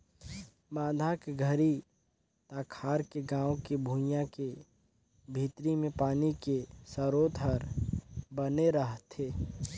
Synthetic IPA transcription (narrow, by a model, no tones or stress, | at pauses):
mãːd̪ʱakeɡʱəɾi | t̪aːkʰaːɾkeɡãːwkebʱũːjãke | bʱiːt̪ɾimẽpaːnikesəɾoːt̪ɦəɾbəneɾəɦt̪ʰeː